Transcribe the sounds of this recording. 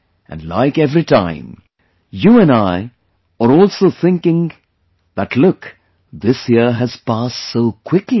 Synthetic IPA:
ʔɨ̰̃nla̰ɪkɛvɾitã̰ɪ̃m | juːɨ̃naɪ | əɾɔːlsoʊθɪ̃ŋkɪ̃ŋ | ðətʰlʊk | ðɪsjiəɾɦɨz̥pastsoʊkʰw̥ɪkli

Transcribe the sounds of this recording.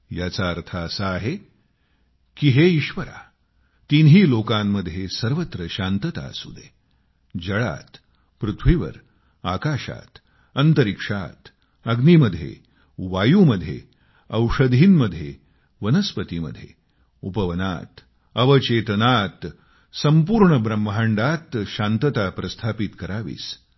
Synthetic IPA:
jat͡saːɾt̪ʰaːsaːɦe | kiɦeiɕʋəɾa̰ | t̪inɦiːlokamːəd̪ʱjesəɾʋət̪ɾəɕant̪ət̪a̰sṵd̪e | d͡ʑəɭa̰t̪ | pɾut̪ʰʋiʋə̰ɾ | akaɕa̰t̪ | ənt̪əɾikʂa̰t̪ | əɡniməd̪ʱjḛ | ʋajuːməd̪ʱjḛ | ɐwʂəd̪ʱiːnməd̪ʱːjḛ | ʋənəspət̪imə̰d̪ʱːjḛ | upəʋəna̰t̪ | əʋət͡ɕet̪nat̪ | səmpuːɾɳəbɾəmbɦaɳɖat̪ɕant̪ət̪apɾɐst̪ʰapit̪kəɾaʋḭːs

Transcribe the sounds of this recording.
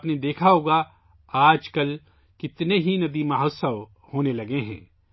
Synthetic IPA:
pned̪eːkʰaɦoːɡa | aːd͡ʒkɐl | kɪt̪neɦinɐd̪imɐɦosəʋ | hoːnelɐɡeɦɛ̰̃ː

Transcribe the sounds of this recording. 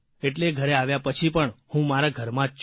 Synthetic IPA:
eʈleɡʱəɾeaʋjapət͡ʃʰipəɳhũmaɾaɡʱəɾmã

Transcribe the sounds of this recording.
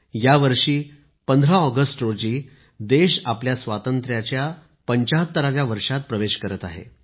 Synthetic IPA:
jaʋəɾʂiː | pənd̪ʱɾaɔɡəsʈɾod͡ʑiː | d̪eɕapljasʋat̪ənt̪ɾjat͡ɕja | pəɲt͡ɕaɦt̪ːəɾaʋjaʋəɾʂat̪̚pɾəʋeɕkəɾət̪aɦḛ

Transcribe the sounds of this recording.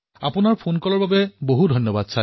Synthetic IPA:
a̰pʊnaɹpʰonkɔlɔɹbabɛboɦudʱɔjnːɔbad̚sʰa

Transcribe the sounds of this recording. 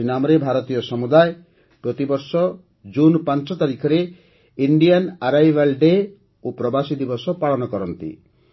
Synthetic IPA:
inamɔɾebʱaɾɔt̪ijɔsɔmud̪aj | pɾɔt̪ibɔɾsɔ | d͡ʒunpant͡ʃɔt̪aɾikʰɔɾe | iɳɖijanaɾajʋalɖe | opɾɔbasid̪ibɔsɔpaɭɔnɔkɔɾɔnt̪ḭ

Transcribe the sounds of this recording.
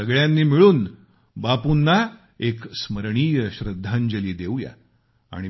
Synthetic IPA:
əɡɭjanːiːmiɭuːn | bapunːa | eksməɾɳiːjəɕɾəd̪ʱːand͡ʑəliːd̪ewja̰ | a̰ɽ̃i

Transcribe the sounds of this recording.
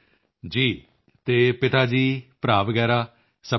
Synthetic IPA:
d͡ʒiː | t̪eːpɪt̪aːd͡ʒiːpɾaːʋəɡɛːɾaː | sə

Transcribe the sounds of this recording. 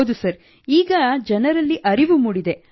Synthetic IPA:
d̪usɐɾ | iːɡɐd͡ʒɐnɐɾɐlːiʔɐɾiʋumuɽid̪e

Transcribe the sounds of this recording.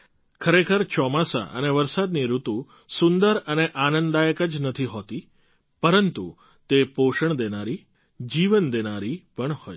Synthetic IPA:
kʰəɾekʰəɾt͡ʃɔmasa̰ʔə̰neʋəɾsad̪niɾut̪u | sʊnd̪əɾəneʔanənd̪d̪ajəkəd͡ʒnət̪ʰiɦot̪i | pəɾənt̪u | t̪epoʃəɳd̪enaɾi | d͡ʒiʋənd̪enaɾipəɳhɔj

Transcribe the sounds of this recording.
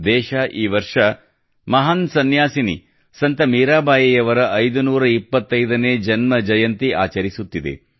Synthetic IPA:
d̪ɛːʃaːʔiːʋɐɾʂɐ | mɐɦɐnsɐnjaːsinḭ | sɐnt̪ɐmiːɾaːbaːjɐjɐʋɐɾɐʔɐjd̪unuːɾɐipːɐt̪ːɐjd̪ɐneːd͡ʒɐnmɐd͡ʒɐjɐnt̪iʔaːt͡ʃɐɾisut̪ːid̪ḛ

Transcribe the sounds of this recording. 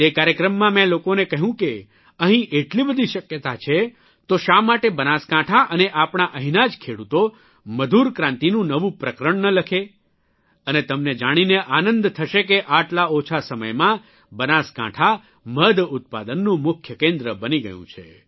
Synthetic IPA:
t̪ekaɾjəkɾəmːãmɛ̃lokonekəɦũke | əɦĩʔeʈlibəd̪ʱiʃəkjət̪at͡ʃʰe | t̪oʃamaʈebənaskãʈʰaʔəneʔapɳ̃aʔəɦinad͡ʒkʰeɽut̪o | məd̪ʱuɾkɾãnt̪inũnəʋũpɾəkɾəɳnələkʰe | ənet̪əmned͡ʒaɽ̃ineʔanənd̪t̪ʰəʃekeʔaʈlaot͡ʃʰasəmə̰jmã | bənaskã̰ʈʰa | məd̪ʊt̪̚pa̰d̪ənːũmʊkʰjəkẽnd̪ɾəbəniɡə̰jṵ̃t͡ʃʰḛ

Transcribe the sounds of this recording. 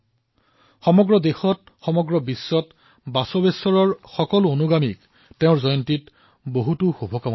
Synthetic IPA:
xɔmɔɡɹɔdexɔt̚ | xɔmɔɡɹɔbisːɔt | basɔbesɔɹɔɹxɔkɔluonuɡamik | teʊ̃ɹzɔjɔntit | boɦutuxubʱɔkaw

